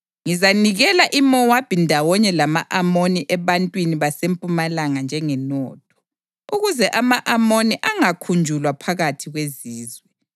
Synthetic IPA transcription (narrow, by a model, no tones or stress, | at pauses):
ŋizaniɣɛlaʔimɔwab̥ʱindʱawɔɲɛlama̰ʔamoniʔɛβantʼwiniβasempʼumalaŋand͡ʒʱɛŋɛnɔːtʰɔ̥ | uɣuzɛʔamaʔamoniʔaŋakʰund͡ʒʱulwapʰaɣatʰiɣweziːzwɛ